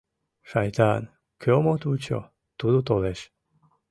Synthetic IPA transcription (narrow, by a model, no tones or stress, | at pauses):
ʃɑjt̪a̰n | kʰøomot̪ut͡ɕo̰ | t̪ud̪ut̪oleʃ